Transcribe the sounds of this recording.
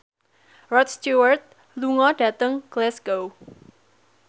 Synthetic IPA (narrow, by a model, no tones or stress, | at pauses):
rɔt̪st̪juwərt̪̚ | luŋɔɖ̥ä̤t̪əŋɡ̥lɛsɡ̥ow